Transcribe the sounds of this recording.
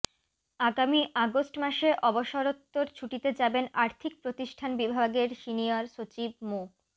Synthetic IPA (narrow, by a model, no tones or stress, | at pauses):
aɡamiʔaɡosʈmaʃeʔɔboʃoɾot̪ːoɾt͡ɕʰuʈit̪ed͡ʑabenaɾt̪ʰik̚pɾot̪iʃʈʰanbibʱaɡeɾʃiniaɾʃot͡ɕib̚mo